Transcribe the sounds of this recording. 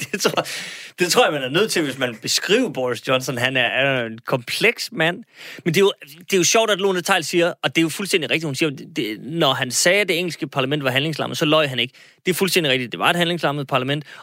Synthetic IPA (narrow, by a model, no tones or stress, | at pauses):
d̥et͡sʰɐd̥e̝t͡sʰʁo̰ɐjɐmænæɐnøð̰ˠt͡sʰe̝lʋe̝smænb̥e̝sɡ̥ʁḭːʊɐb̥ɒsjɒ̽nsɒnɦænæɐæenkʰɒ̽mpʰleɡ̥smæn̰mend̥e̝jo̝d̥e̝jo̝ɕɒʊ̰d̥æd̥lo̝ːnət͡sʰɑ̈ɪlsiːɐɒ̽d̥e̝jo̝fulsd̥en̰d̥iʁeɡ̥̚d̥ihunsiːɐd̥enɒɦænsɛːd̥e̝eŋ̰l̩sɡ̥əpʰɑ̈læmen̰d̥ʋɑ̈ɦænle̝ŋslɑ̈mð̩ˠsɒ̽lɒɪɦæne̝ɡ̥ə | d̥e̝æfulsd̥en̰diʁɛɡ̥̚d̥id̥̚d̥e̝ʋɑ̈e̝d̥hænle̝ŋslɑ̈mð̩ˠpʰɑ̈læmen̰d̥